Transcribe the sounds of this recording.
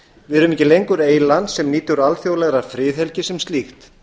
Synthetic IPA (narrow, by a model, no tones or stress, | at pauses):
vɪðɾʏːʏmicːɪlejŋkʏɾeːjlant̪sɛmniːt̪ʏɾalθjowlɛɣɾafɾɪːθhɛlcɪsɛmst̪lixt̪